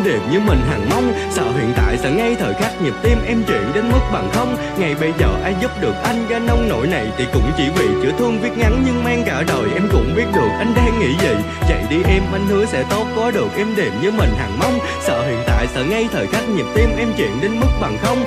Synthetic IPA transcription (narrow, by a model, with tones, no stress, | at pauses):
ɗe˨˩mɲɨ˧mï˨˩ŋ̟ɦa˨˩ŋma˧wŋ͡m | sə̰ː˧˨ɦḭ˧˨ənt̪a̰ː˧˨jsɛ̰˧˥ŋa˧jt̪ʰəː˨˩jxaː˦˥k̚ɲi˨˩p̚t̪i˧mʔɛ˧mt͡ɕwḭ˧˨ənɗe˨˦nmɨ˦˥k̚ɓa˨˩ŋxə˧wŋ͡m | ŋa˨˩jɓə˧jzəː˨˩ʔaː˧jzu˦˥p̚ɗɨ˨˩ək̚ʔa˧jŋ̟zaː˧nɔ˧wŋ͡mno̰˧˥jna˨˩jt̪ʰi˨˩kʊ̰˧˥ŋ͡mt͡ɕi˧˩vḭ˧˨t͡ɕɨ̰˧˩ət̪ʰɨ˧əŋvi˦˥ət̚ŋa˨˦nɲɨ˧ŋmaː˧ŋkaː˧˩ɗəː˨˩jʔɛ˧mkʊ̰˧˥ŋ͡mɓi˦˥ət̚ɗɨ˨˩ək̚ʔa˧jŋ̟ɗaː˧ŋːḭ˧˥zḭ˧˨ | za̰˧˨jɗi˧ʔɛ˧mma˧jŋ̟hɨ˨˦əsɛ̰˧˥t̪o˦˥t̚kɔ˨˦ɗɨ˨˩ək̚ʔɛ˧mɗe˨˩mɲɨ˧mï˨˩ŋ̟ɦa˨˩ŋma˧wŋ͡m | sə̰ː˧˨ɦḭ˧˨ənt̪a̰ː˧˨jsɛ̰˧˩ŋa˧jt̪ʰəː˨˩jxaː˦˥k̚ɲi˨˩p̚t̪i˧mʔɛ˧mt͡ɕwḭ˧˨ənɗe˨˦nmɨ˦˥k̚ɓa˨˩ŋxə˧wŋ͡m